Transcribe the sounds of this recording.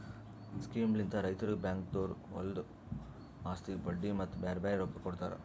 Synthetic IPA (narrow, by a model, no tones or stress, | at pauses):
skiːmlint̪ɐɾɐjt̪ɐɾubjaːŋkt̪oːɾɔ̰ld̪u | aːst̪ibɐɖːimɐt̪ːubeːɾbaːjɐɾokːɐkːɔɽt̪aːɾḛ